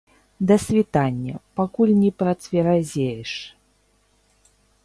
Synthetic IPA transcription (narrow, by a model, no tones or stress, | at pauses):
d̪ɐsʲvʲit̪anʲːɐpakulʲnʲɛpɾɐt̪sʲvʲɛɾazʲejɛʂ